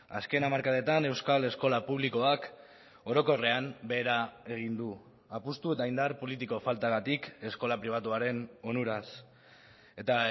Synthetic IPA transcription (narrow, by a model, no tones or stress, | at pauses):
aske̞namaɾkaðet̪ane̞wskale̞sko̞lapuβ̞liko̞ak | o̞ɾo̞ko̞re̞ambe̞ːɾae̞ɣ̞ind̪u | apust̪ue̞t̪aind̪aɾpo̞lit̪̬iko̞falt̪aɣat̪ike̞sko̞lapɾiβ̞at̪uaɾe̞no̞nuɾas | e̞t̪a